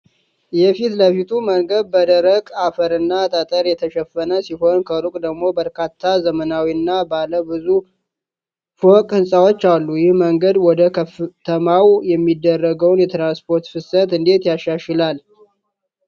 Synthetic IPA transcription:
jɛfit̪ləfit̪ʰuməŋɡəd̪̚bəd̪əɾəkʼafəɾɨnːat̪ʼət̪ʼəɾjɛt̪ʰəʃɛfːənəsiɦo̞nkʰəɾukʼd̪əɡmo̞bəɾkʰat̪ʰːazəmənawiɨnːabaləbɨzu | fokʼhɨnsʼawo̞t͡ʃːalːujɪhməŋɡəd̪wɔd̪əkʰt̪ʰəmawjɛmːid̪ːərːəɡəwnjɛt̪ʰɾanspʰo̞ɾt̪fɨsət̪ɨnd̪e̞t̪jaʃaʃɪlal

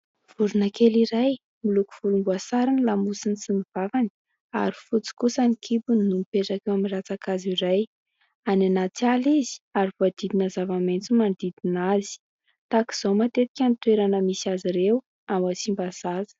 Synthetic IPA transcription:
v̥uɾunakeliɾaj | miluku̥v̥ulumbuasaɾinilamusinisiniv̥avani̥ | a̰ɾifut͡si̥kusənikʰibunnːumipeʈ͡ʂakewamirat͡sakaziɾaj | ananat͡sializi̥aɾivoad̪̥id̪inazavament͡sumand̪id̪inaz̥i̥ | t̪aki̥z̥owmat̪et̪i̥kʲanit̪weɾanəmisaziɾew | amat͡simbaz̥azə̥

